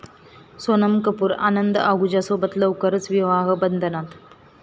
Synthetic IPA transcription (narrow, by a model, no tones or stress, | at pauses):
sonəmkəpuːɾa̰nənd̪əaɡud͡ʑasobət̪ləwkəɾət͡sʋiʋaɦəbənd̪ʱənat̪